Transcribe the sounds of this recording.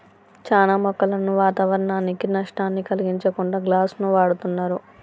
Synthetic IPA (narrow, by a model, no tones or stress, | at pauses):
t͡ʃaːnaːmɔkːɐlɐnuʋaːt̪aʋɐɾɐnaːnːikinɐʂʈaːnːikɐliɡiɲt͡ʃɐkuɳɖaːɡlaːsnuʋaːɽut̪unːaːɾu